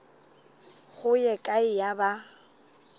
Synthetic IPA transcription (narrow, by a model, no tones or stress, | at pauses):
ɣʊjɛkʼaɪjaba